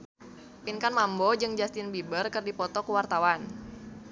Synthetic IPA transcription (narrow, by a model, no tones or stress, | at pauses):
pinkanmambod͡ʒɨŋd͡ʒast̪ɪnbibərkɨrdipɔt̪ɔkuwart̪awan